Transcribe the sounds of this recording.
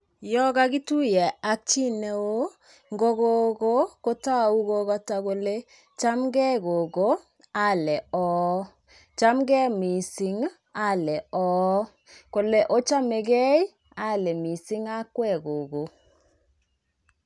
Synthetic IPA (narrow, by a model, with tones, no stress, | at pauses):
jɔ˦ɡa˦ɡi˦tu˦jɛ˨a˦k̚t͡ʃi˦ne˨o˦ | ŋɡo˦ɣo˦ɡo˦ko˦ta˦˨u˦ɡo˦ɣa˦ta˨ɣo˨le˦ | t͡ʃa˦mɡɛ˦ɡo˨ɡo˦ | a˦lɛ˨ɔː˦ | t͡ʃa˦mɡɛ˦mi˨si˨˦ŋ | a˦lɛ˨ɔː˦ | ko˨le˦ʔo˦t͡ʃa˦me˨ɡɛ˦j | a˦˨lɛ˨mi˨si˦ŋa˦kwɛ˦ɡo˨ɡo˨